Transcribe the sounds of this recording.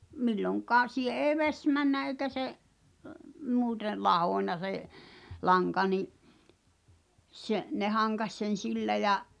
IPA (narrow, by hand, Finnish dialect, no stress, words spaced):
milːoŋkˑɑː siːh̆e eːĭ ʋesʲ mænːæ eikæ seʔ muːte lɑhoˑnʲnɑ seʔ lɑŋkɑ niʔ se ne hɑŋkɑs sen̞ silːæ jɑ